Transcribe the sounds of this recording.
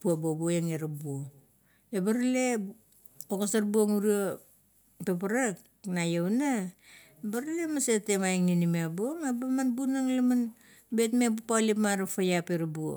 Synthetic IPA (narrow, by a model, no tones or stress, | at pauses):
puobobuojeŋeɾabuo | ebaɾale̞ | okasaɾbuoŋuɾio | topaɾak | najowna | baɾale̞masetemajŋninimabuoŋabamanbunaŋlaman | betmep̬upalipmaɾafajapeɾabuo̰